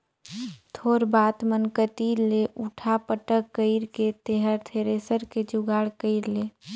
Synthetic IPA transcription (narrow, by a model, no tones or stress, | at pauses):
t̪ʰoːɾbaːt̪mənkət̪iːɾleʔuʈʰapəʈəkːəɪɾket̪eɦəɾt̪ʰeɾeːsəɾked͡ʒʊɡaːɽkəɪɾleː